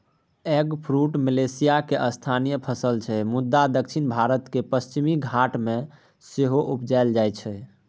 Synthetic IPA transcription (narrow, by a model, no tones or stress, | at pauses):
eɡpʰɾuʈmilesijakeʔəst̪ʰanijəpʰəsəlt͡ʃʰɛmud̪ːad̪ək̚t͡ʃʰinbʱaɾət̪kepəst͡ʃimiɡʱaʈmẽ | seɦoʔupd͡ʒaeld͡ʒajt͡ʃʰɛ